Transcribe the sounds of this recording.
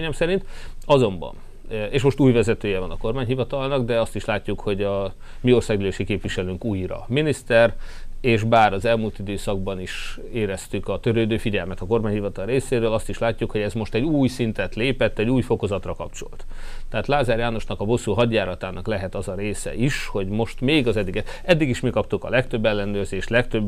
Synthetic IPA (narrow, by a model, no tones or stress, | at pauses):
ɲɛmsɛɾint̪ɒzo̞mbɒ̰n | eːʃmo̞ʃt̪uːjvɛzɛt̪øːjɛvɒnɒko̞rmaːɲɦivɒt̪ɒlnɒɡd̪ɛɒst̪iʃlaːcːukho̞ɟɒ | mio̞rsaːɡyløːʃikeːpvʋiʃɛløːŋkuːjrɒ̰minist̪ɛreːʃbaːɾɒzɛlmuːlt̪id̪øːsɒɡ̚bɒniʃ | eːɾɛst̪ykɒt̪ø̞ɾøːd̪øːfiɟɛlmɛt̪ɒko̞rmaːɲhivɒt̪ɒlreːseːɾøːlɒst̪iʃlaːcːukho̞ɟɛzmo̞ʃt̪ɛɟuːjsint̪ɛt̪leːpɛt̪ːɛɟːuːjfo̞ko̞zɒt̪rɒkɒ̰pt͡ʃo̞̰lt̪t̪ːɛaːt̪laːzaːrjaːnoʃnɒkɒbo̞sːuɦɒɟːaːɾɒt̪aːnʔɒklɛɦɛt̪ɒzɒɾeːsɛ̰ʔiʃho̞ɟmo̞ʃt̪meːɡɒzɛd̪ːiɡɛɛd̪ːiɡiʃmikɒp̚t̪ukɒ̰lɛkt̪ø̞bːɛlːɛnøːrzeːʃt̪lɛkt̪øbː